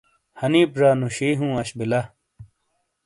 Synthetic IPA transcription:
hɐniːpɾaːnuɕiːɦũːɐɕbilɐ

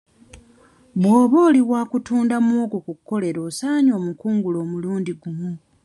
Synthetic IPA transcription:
βwo̞ːβo̞ːliβwaːkutuːndamoːkokukːo̞le̞ɾo̞ːsaːɲo̞ːmukuːŋɡulo̞ːmuluːndiɡumu

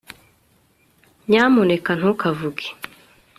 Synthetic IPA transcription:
ɲamonekan̥okavuɡi̥

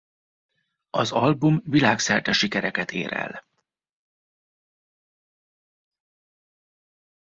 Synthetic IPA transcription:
ɒzɒlbumvilaːksɛrt̪ɛʃikɛɾɛkɛt̪ʰḛːɾɛ̰l

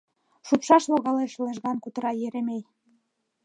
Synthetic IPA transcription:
ʃupʃɑʃloɣɑleʃleʒɣɑnkut̪əɾɑjeɾemej

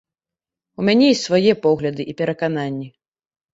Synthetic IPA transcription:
umʲanʲɛjisvajɛpɔɣlʲɐd̪ɨʔipʲɛɾɐkananʲːi

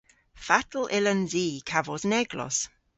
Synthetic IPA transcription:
fatl̩ʔɪlənziːkʰavɔsnɛɡlɔ̰s

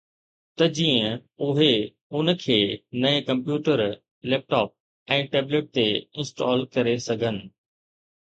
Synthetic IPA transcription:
t̪ɐd͡ʑĩːə̃ʊɦe | ʊnə̆kʰeːnɐekɐ̃mpjuːʈəɾ | lɛːp̚ʈɔːp̚ | ɛ̃ːʈeːbleʈ̚t̪eɪ̃nsʈɔːlkɐɾesɐɡʱənɪ̆

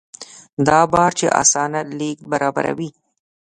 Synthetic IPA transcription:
d̪ɑbɑɾt͡ʃeʔa̰sɑnat̪lek̚baɾɑba̰ɾa̰wi

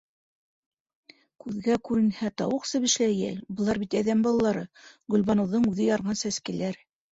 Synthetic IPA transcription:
kʉðɡækʉɾɘ̆nhæt̪ɑwɤqsɤβɘ̆ʃlæjæ̰lbɤ̆lˠɑɾbit̪æðæmbɑlˠɑlːˠɑɾɤɡɵ̆lβɑnɤ̆wðɤɴʉðɘjɑɾʁɑnsæskælæɾ

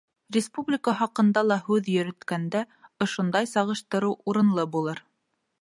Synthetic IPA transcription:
rʲɪspublʲɪkəχɑqɤ̆nd̪ɑlˠɑɦʉðjɵ̆ɾɵ̆t̪kænd̪æ | ŏʃond̪ɑjsɑʁɤ̆ʃt̪ɤ̆ɾɤwuɾɤ̆nlˠɤbulˠɤɾ

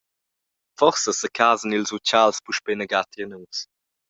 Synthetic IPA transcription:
fɔɾsəsəkʰaːzənilzut͡ʃalspuʃpenəɡat̪ɾiənus

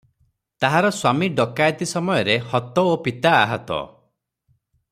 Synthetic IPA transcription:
t̪aɦaɾɔswamiɖɔkajt̪isɔmɔjɔɾehɔt̪ɔopit̪aːɦɔt̪ɔ̰

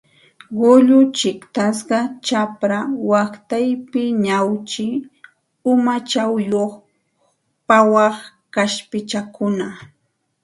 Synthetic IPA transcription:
ɢʊʎʊt͡ʃɪkt̪as̬ɢɑt͡ʃapɾawakt̪ajpɪɲawt͡ʃɪ | ʊmat͡ʃawjoχ | pawɑχ | kaʃpɪt͡ʃakʊna

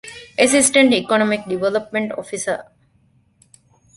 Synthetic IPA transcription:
ʔesisʈeɳʈikonomik̚ɖiʋelɐp̚mẽɳʈo̰fisə

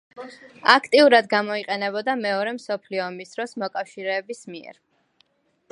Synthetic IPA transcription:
akʰt̪ʼiuɾad̪ɡamɔiqʼɛnɛbɔd̪amɛɔɾɛmsɔpʰliɔːmisd̪̥ɾɔsmɔkʼafʃiɾɛːbismiɛ̰ɾ

